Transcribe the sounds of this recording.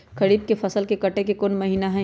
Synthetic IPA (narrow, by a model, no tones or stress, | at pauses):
kɐɾiːb̚kefʰɐsəlkekɐʈekekʊnmɐɦiːnaɦɛ̃